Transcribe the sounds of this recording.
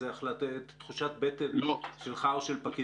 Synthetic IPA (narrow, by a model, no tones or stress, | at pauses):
eaχlatetːχuʃatbetelʃelχaoʃelpaki